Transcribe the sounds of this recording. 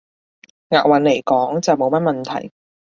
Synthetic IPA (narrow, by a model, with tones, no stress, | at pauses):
ŋaː˨˩k̚wɐ˨˥nle˨˩jkɔː˨˥ŋt͡sɐ˨wmo˨˧wmɐ˥t̚mɐ˨nt̪ʰɐ̰˨˩j